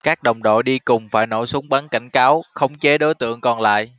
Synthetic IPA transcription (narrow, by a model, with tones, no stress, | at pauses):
kaː˦˥k̚ɗə˨˩wŋ͡mɗo̰˧˨ɗi˧kʊ˨˩ŋ͡mfaː˧˩jno˧˩jsʊ˨˦ŋ͡mɓaː˨˦nka˧˩jŋ̟kaː˨˦wxə˧wŋ͡mt͡ɕe˨˦ɗo˨˦jt̪ɨ̰˧˨əŋkɔ˧˩nla̰ː˧˨jʔ